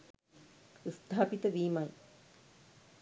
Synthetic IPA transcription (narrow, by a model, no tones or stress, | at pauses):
st̪ʰaːpit̪ɐʋiːmɐj